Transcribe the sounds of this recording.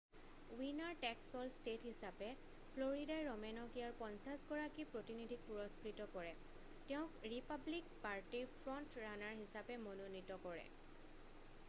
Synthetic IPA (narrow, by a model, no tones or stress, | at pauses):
winaɹʈɛksɔlstethisapɛ | pʰloɹidajɹɔmɛnɔkijaɹpɔnsasɡɔɹakipɹotinidʱik̚puɹɔskɹitɔkɔɹɛ | tɛʊ̃kɹipablik̚paɹtiɹpʰɹɔntɹanaɹɦisapɛmɔnonitɔkɔɹɛ̰